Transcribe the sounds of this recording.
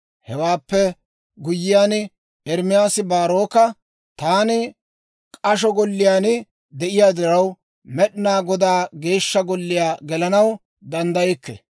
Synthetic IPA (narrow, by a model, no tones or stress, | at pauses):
hɛwaːpːɛ | ɡʊjːɪjaːn | ɛɾmɪjaːsɪbaːɾoːkɐ | t̪aːnɪ | kʼɐʃ̬ɔɡɔlːɪjaːnɪ | d̪ɛʔɪjaːd̪ɪɾɐw | mɛɗɪnaːɡɔd̪aːɡe̞ːʃːɐɡɔlːɪjaːɡɛlɐnɐw | d̪ɐnd̪ɐjɛkːɛ̰